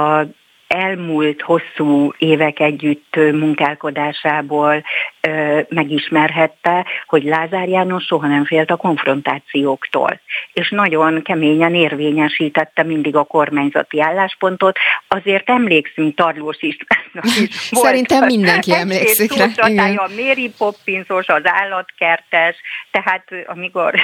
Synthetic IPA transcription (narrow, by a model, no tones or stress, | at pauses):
ɛlmult̪ho̞sːuːeːvɛkɛɟːyt̪ːmuŋkaːlko̞d̪aːʃaːboːlː | mɛɡiʃmɛrɦɛt̪ːɛho̞ɟlaːzaːrjaːno̞ʃʃo̞ɦɒnɛɱfeːlt̪ɒko̞ɱfro̞nt̪aːt̪sijoːkt̪o̰ːleːʃnɒɟo̞nkɛmeːɲɛneːrveːɲɛʃiːt̪ɛt̪ːɛmind̪iɡɒko̞rmaːɲzɒ̰t̪iaːlːaːʃpo̞n̪t̪o̞t̪ɒzeːrt̪ɛmleːksyŋk̚t̪ɒrloːʃiʃt̪aiʃvosɛɾint̪ɛmmːind̪ɛŋkiɛmleːekːsit̪ut͡ʃɒt̪aːjɒmeːɾipo̞pːinso̞ʃɒzaːlːɒt̪kɛrt̪ɛʃt̪ɛɦaːt̪ɒmiko̞r